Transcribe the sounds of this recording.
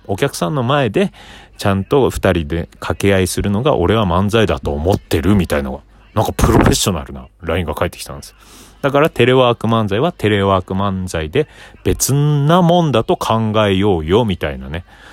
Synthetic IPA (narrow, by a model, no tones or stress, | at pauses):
o̞kʲakɯ̟̥sãnːo̞mae̞d̪e̞t͡ɕãnt̪o̞ɸɯ̥t̪aɾʲid̪e̞kʰakeaisɨɾɯ̟no̞ɡa̰ʔo̞̰ɾe̞βamãnzaid̪at̪o̞ːmo̞t̪ːe̞ɾɯ̟mʲit̪aina̰ɡa | nãŋkapɯ̟ɾo̞ɸe̞ɕo̞na̰ɾɯ̟na̰ɾaĩŋɡakaet̪ːe̥kʲi̥t̪ã̰nd̪es | d̪̥akaɾat̪e̞ɾe̞βaːkɯ̟mãnzaiβat̪e̞ɾe̞βaːkɯ̟mãnd͡zaid̪e̞b̥e̞t͡sɨnamõ̞nd̪at̪o̞kʰãŋɡaejo̞ːjo̞mʲit̪ainane̞